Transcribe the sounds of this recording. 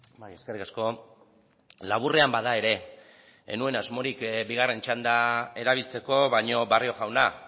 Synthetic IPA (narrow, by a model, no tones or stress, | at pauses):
jeskerikasko̞ | laβure̞ambaðae̞ɾe̞ | ḛnue̞nazmo̞ɾikbiɣ̞are̞nt͡ʃand̪ae̞ɾaβ̞ilt͡se̞ko̞βajɲo̞βario̞ɣawna